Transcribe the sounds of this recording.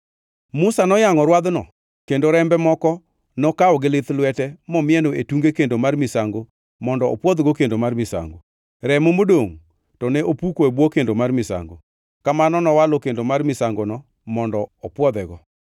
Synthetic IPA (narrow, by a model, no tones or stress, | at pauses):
mʊsanɔjaŋɔɾwad̪nɔ | kendoɾɛmbɛmɔkɔ | nɔkaɔɡɪlɪt̪lwɛtɛmɔmɪɛnoetuŋɡekendomarmɪsaŋɡo | mɔndɔɔpwɔd̪ɡɔkendomarmɪsa̰ŋɡo | ɾɛmomodoŋ | tɔnɛʔopukoebwɔkendomarmɪsa̰ŋɡo̰ | kamanɔnɔwalokendomarmɪsaŋɡonɔ | mɔndɔɔpwɔd̪ɛɡɔ